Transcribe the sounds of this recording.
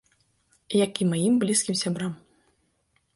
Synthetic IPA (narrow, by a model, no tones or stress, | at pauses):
jakʲimajimblʲiskʲimsʲabɾam